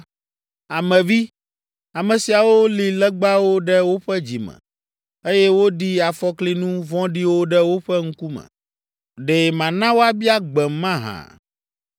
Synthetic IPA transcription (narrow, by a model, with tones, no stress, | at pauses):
a˨mɛ̃˨vi˦ | a˨mɛ̃˨si˨a˨wo˦li˨lɛ˦ɡ͡ba˦wo˦ɖɛ˦wo˦ɸɛ˦d͡ʑi˨mɛ̰̃˨ | e˦jɛ˦wo˦ɖi˦a˨fɔ˦kli˦nũ˦vɔ̃˦ɖi˦wo˦ɖɛ˦wo˦ɸɛ˦ŋ̩˦ku˦mɛ̰̃˨ | ɖe˨mã˨nã˦wo˦a˦bi˦a˦ɡ͡bɛ˨mã˦ɦã̰˨